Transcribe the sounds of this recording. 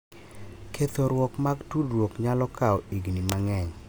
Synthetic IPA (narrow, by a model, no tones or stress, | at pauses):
kʰet̪oɾwɔkmaɡtudɾwokɲalɔkʰaɔiɡnimaŋɛɲ